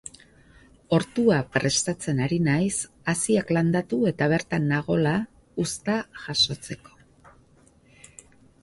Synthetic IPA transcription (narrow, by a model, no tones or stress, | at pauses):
o̞ɾt̪uapɾe̞st̪at͡se̞naɾinajs | asiakland̪at̪ue̞t̪aβ̞e̞ɾt̪anːaɣ̞o̞la | ust̪aʝaso̞t͡se̞ko̞̥